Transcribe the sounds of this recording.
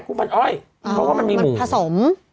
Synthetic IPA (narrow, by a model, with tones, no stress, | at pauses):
kʰuː˧˦ma˧˩ʔɔː˧˥˩jʰ | a˧˦kʰɔː˥˩a˧nmiː˧muː˩˨˦pʰaː˧so˨˩˦m